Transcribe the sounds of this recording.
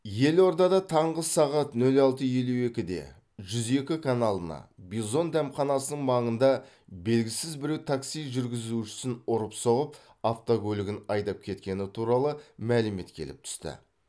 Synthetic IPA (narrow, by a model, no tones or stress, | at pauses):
je̞lo̞ɾd̪ɑd̪ɑt̪ʰɑɴʁəsɑʁɑt̪nɵlɑlˠt̪əje̞luwe̞kʲɪd̪e̞̰ | ʒʏze̞kʲɪkʰanɑlˠənɑ̰bizo̞nd̪æmχɑnɑsənəɴmɑɴənd̪ɑ | be̞lɡʲɪsɪzbɪɾe̞wt̪ʰaksijʒʏɾɡʲɪzuʃɪ̥sɪnʊɾəpso̞ʁəp | aft̪okʲʰɵlɪɡʲɪnɑjd̪ɑp̚kʲʰe̞t̪kʲe̞nɪt̪ʰuɾɑlˠəmælɪme̞̰t̪kʲʰe̞̰lɪ̰p̚t̪ʰʏ̥st̪ɪ̰